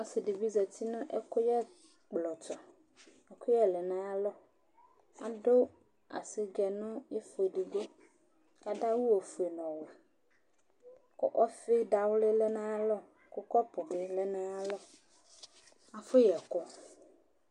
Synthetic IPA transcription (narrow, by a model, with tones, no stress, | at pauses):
o˦si˨ɖi˨vi˦zɔ˨t̪i˦nũ˦ʔe˦ko˦jɛ˦ | k͡plɔ˨t͡ʃɔ˨ | e˦ko˦jɛ˦lɛ˨nã˦a˦lɔ˦ | a̰˨ɖo˦ | a̰˨si˦ɡɛ˨nũ˦je˦fe˨ɖi˨ɡe˦ | a˨ɖa˦wu˦wo˨fu˨e˨nɔ̃˨we˨ | ko˦ʔɔ˦fe˦ɖa˨wle˦lɛ˦nã˦a˦lɔ˦ | ko˦kɔ˦po˨be˨lɛ˦nã˦a˦lɔ˦ | a˨fo˦jɛ˨kɔ˦